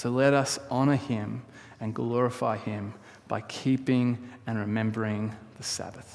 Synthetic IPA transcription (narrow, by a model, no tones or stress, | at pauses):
sʰoʊlɛɾʌsʔɑñə˞ɪ̃m | ɨ̃nɡlɔɹɨfa̰ɪɪ̃m | b̥a̰ɪkʰipɪ̃ŋɨ̃nɹɨmɛ̃mbə˞ɪ̃ŋðɨsæ̰bɨθ